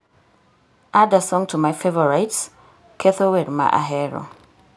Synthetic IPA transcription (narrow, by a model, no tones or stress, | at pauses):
ʔadasɔ̃ŋtʰumaɪfevɔɹaɪts | kʰɛθowɛdma̰ʔa̰ɦɛɾɔ̰